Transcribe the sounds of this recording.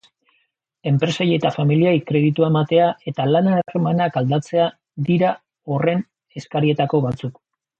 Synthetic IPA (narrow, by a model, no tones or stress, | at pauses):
e̞mpɾe̞sajet̪afamiliajkɾe̞ðit̪uaemat̪e̞ae̞t̪alanaremanakald̪at͡se̞a | ðiɾa | o̞re̞n | e̞skaɾie̞t̪ako̞βat͡suk